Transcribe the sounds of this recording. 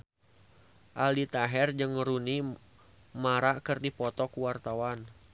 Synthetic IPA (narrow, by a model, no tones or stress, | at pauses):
ʔaldit̪aɦɛrd͡ʒɨŋɾuni | maɾakərdipɔt̪ɔkuwart̪awan